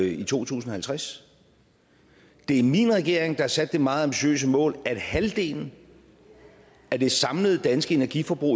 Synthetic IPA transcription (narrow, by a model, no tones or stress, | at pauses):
it͡sʰo̝̰ːt͡sʰṵːsn̩ɒhælt͡sʰʁas | d̥e̝æɐminʁɛɡ̥e̝ɐ̰eŋd̥ɑ̈hɑ̈sæd̥ːe̝mɑ̈ːð̩ˠɑ̈mb̥iɕø̰ːs̬əmɔ̰̽ːlæd̥hæld̥e̝̰ːln̩ | æd̥e̝sɑ̈mləð̞̩ˠəd̥ænsɡ̥əe̝næɐɡ̥ifɒ̽b̥ʁṵ